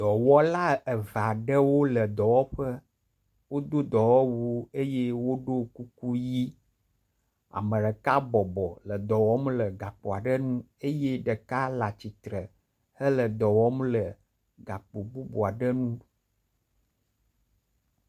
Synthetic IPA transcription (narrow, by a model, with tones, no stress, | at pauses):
d̪̥ɔ˨wɔ˦la˦ə˨va˨ɖə˦wo˦lə˨d̪ɔ˨wɔ˦ɸə˦ | wo˦d̪o˦d̪ɔ˨wɔ˦wu˦e˦je˦wo˦ɖo˦ku˦ku˦ji˦ | a̰˨mə˨ɖə˨ka˦bɔ˨bɔ˨lə˨d̪ɔ˨wɔ˦mlə˨ɡa˨k͡po˨a˨ɖə˦nũ˦ | e˦je˦ɖə˨ka˦la˨t͡ɕi˨t̪ɾə˨ | hə˦lə˨d̪ɔ˨wɔ˦mlə˨ | ɡa˨k͡po˨bu˦bo˨a˨ɖə˦nũ˦